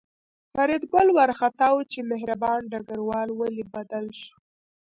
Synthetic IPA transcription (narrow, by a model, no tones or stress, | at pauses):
faɾid̪ɡʊlwaɾxat̪ɑwt͡ʃemeɦɾabɑnɖaɡaɾwɑlwalibad̪alʃu̥